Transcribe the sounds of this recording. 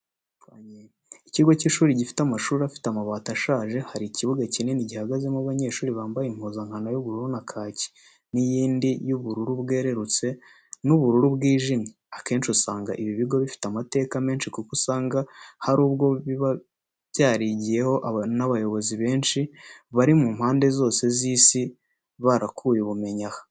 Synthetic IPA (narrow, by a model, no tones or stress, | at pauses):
waɲe | iciɡo̞ciːʃuːɾiɟifi̥tamaʃuːɾiafi̥tamaβaːtaʃaːʒe̞haɾiciβuɡacineniɟihaɡaze̞maβaɲe̞ːʃuːɾiβaːmbajim̥huzaŋ̥hanojuβuɾuɾunakʰaːci̥ | nijiːndijuβuɾuɾubɡe̞ːɾe̞ɾut͡se̞ | nuβuɾuɾubɡiːʒimɲeake̞ːnʃusaːŋɡa̰ʔiβiβiɡo̞βifi̥tamate̞ːkame̞ːnʃikukusaːŋɡahaɾuːbɡo̞βiβa | βjaːɾiɟije̞ho̞ʔnaβajo̞βo̞ziβe̞ːnʃiβaɾimuːmhaːnde̞zo̞ːse̞ziːsi | βaɾakʰujiβume̞ɲahḁ